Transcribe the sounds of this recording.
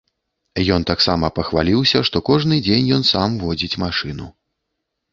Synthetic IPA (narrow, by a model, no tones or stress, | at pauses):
jɔnt̪aksamɐpɐxvalʲiwsʲɐʂt̪ɔkɔʐnɨd͡zʲenʲjɔnsamvɔd͡zʲit͡sʲmaʂɨnu